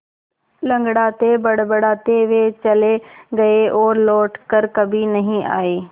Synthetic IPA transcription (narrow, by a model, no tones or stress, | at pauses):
lɐ̃ŋɡɽaːt̪ebɐɽbəɽaːt̪eʋet͡ɕɐleɡɐeɔːɾlɔːʈkəɾkɐbʱinɐɦĩa̰ːeː